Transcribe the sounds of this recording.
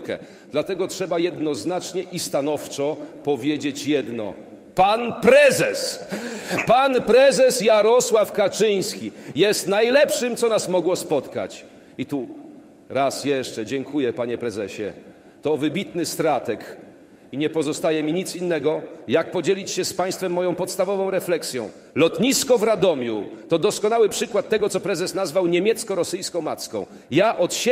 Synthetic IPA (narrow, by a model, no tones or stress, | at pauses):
kɛ̰ | d̪̥lat̪ɛɡɔtʂɛbajɛd̪nɔznat͡ʂɲɛʔist̪anɔft͡ʂɔpɔvʲjed͡ʑet͡ɕjɛd̪nɔ̰ | panpɾɛzɛs | panpɾɛzɛsjaɾɔswafkat͡ʂɘj̃skʲijɛst̪najlɛpʂɘmt̪sɔnasmɔɡwɔspɔt̪ka̰t͡ɕ | it̪u | ɾasjɛʂt͡ʂɛd͡ʑɛŋkujɛpaɲɛpɾɛzɛɕɛ̰ | t̪ɔːvɘbʲit̪nɘst̪ɾat̪ɛk | iɲɛpɔzɔst̪ajɛmʲiɲit̪sinːɛɡɔjak̚pɔd͡ʑelʲit͡ɕɕɛspaj̃st̪fɛmːɔjɔ̃w̃pɔt̪st̪avɔvɔ̃w̃ɾɛflɛksʲjɔ̰̃w̃ | lɔt̪ɲiskɔvɾad̪ɔmʲjut̪ɔd̪ɔskɔnawɘpʂɘkwat̪̚ːɛɡɔt̪sɔpɾɛzɛsnazvawɲemʲjɛt̪skɔɾɔsɘjskɔ̃w̃mat̪skɔ̰̃w̃ | jaʔɔt̪ɕ